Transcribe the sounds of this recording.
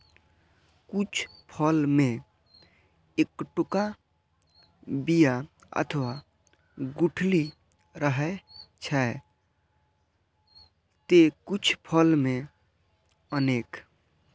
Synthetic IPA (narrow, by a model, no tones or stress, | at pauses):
kut͡ʃʰpʰəlmẽ | ekʈʊka | bija | ə̰t̪ʰəwa | ɡuʈʰli | ɾəɦɛt͡ʃʰɛe | t̪ekut͡ʃʰpʰəlmẽ | əneːk